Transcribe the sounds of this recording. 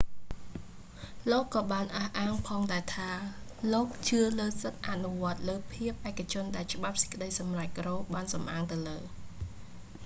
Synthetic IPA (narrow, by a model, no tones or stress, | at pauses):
loːkːɑːɓaːnʔaːhʔaːŋpʰɑːŋɗaɛt̪ʰaː | loːk̚t͡ɕɨələːsət̪̚ʔaʔnuʋŏət̪̚ləːpʰiəp̚ʔaɛkːat͡ɕʊ̆ənɗaɛlt͡ɕə̆ɓap̚sə̥c̚kə̆ɗəjsɑmrac̚kroːk̚ɓaːnsɑmʔaːŋt̪ɨwləː